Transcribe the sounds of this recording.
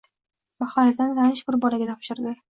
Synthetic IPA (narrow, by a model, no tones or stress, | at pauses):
maχɒɾat̪anlanɪʃbɪɾbɒlaɡʲat̪ʰɒpʃɪɾd̪ɪ